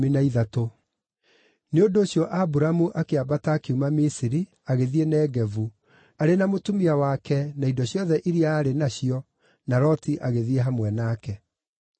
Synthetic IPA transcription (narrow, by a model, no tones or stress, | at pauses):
minaiðato | neondoːɕjɔʔabuɾamuʔakeabataːkeumamisiɾi | aɣeðienɛːɡɛvu | aɾenamotumiawakɛnaidɔɕjɔðɛʔiɾiaːɾenaɕijɔ | naɾɔtiʔaɣeðieɦamwɛnaːkɛ